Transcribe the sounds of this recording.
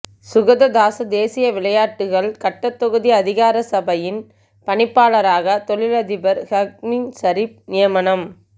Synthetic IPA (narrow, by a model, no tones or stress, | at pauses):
sʊɣɐðɐd̪aːsɐd̪eːsɪjɐʋɪɭɐjaːʈːɯɣɐɭkɐʈːɐt̪ːɔɣɯðiɐðɪɣaːɾɐsɐbɐjɪn | pɐɳɪpːaːɭɐɾaːɣɐt̪ɔɭɪlɐðɪbɐɾhɐk̚mɪnsɐɾɪp̚nɪjɐmɐnɐm